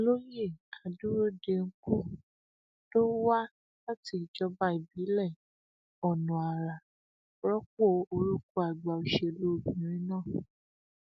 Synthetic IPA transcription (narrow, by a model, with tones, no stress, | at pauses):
lo˦je˦˨a˨du˦ɾo˦de˧ŋ̩˦ku˦˨ | to˦wa˦ | a˦ti˧i˨d͡ʒɔ˧ba˧˦i˨bi˨˦lɛ˦˨ | ɔ˨nũ˨a˨ɾa˨ | ɾɔ˦k͡po˦˨o˧ɾu˦ku˦a˨ɡ͡ba˨o˧ʃe˧˨lu˦o˦˨bĩ˨ɾ̃ĩ˦nãː˦˨